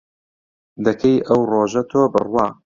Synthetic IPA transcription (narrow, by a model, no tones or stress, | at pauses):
d̪ɐkʰɐjʔɐwroːʒɐt̪ʰoːbɨ̰rwɑː